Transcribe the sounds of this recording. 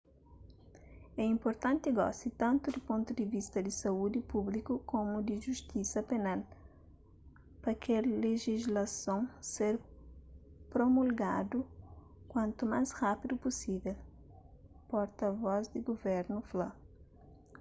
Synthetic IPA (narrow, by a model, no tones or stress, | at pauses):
ɛĩmpoɾt̪ãnt̪iɡɔ̰sit̪ãnt̪ud̪ipõnt̪ud̪ivist̪ɐd̪isɐud̪ipublikukomud̪iʒust̪isɐpenal | pɐkelleʒizlɐsõŋseɾ | pɾomulɡad̪u | kwɐ̃nt̪umasrapid̪upusivel | pɔɾt̪ɐvɔzd̪iɡovɛɾnufla